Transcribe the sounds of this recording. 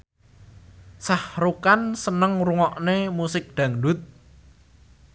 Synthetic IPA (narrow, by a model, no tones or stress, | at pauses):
sahɾukansənəŋruŋɔʔnemusɪk̚ɖ̪̥ä̤ŋɖʊ̤t̪̚